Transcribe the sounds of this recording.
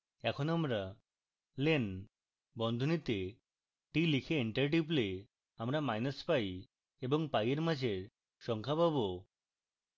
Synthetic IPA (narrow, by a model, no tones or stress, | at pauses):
ɛkʰonoamɾa | len | bɔnd̪ʱonit̪e | ʈilikʰeiɳʈəɾʈ̬iple | amɾamajnaspaj | eboŋpajeɾmad͡ʑʱe | ʃɔŋkʰapabo